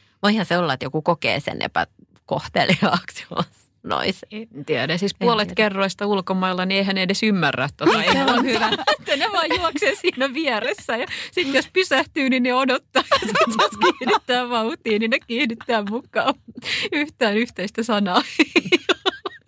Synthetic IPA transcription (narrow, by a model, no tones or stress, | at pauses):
ʋɑihæseolːɑet̪jokukokḛːsḛnʔḛpæ̰ | koht̪ḛliɑ̰ːksjo̰s | no̰isnt̪iæɾæsispuolet̪kerːoist̪ɑulkomɑilːɑnieihæneedesymːærːæt̪t̪ot̪ɑeonhyʋæet̪ːæneʋɑːjjuɑkseːsiːnæʋiɛresːæjɑsit̪jospysæht̪yːnineodot̪ːɑːsit̪joskiːhnit̪ːæːʋɑuht̪iːninekkiːhnit̪ːæːmukːˑɑːyht̪æːnyht̪eist̪æsɑnɑː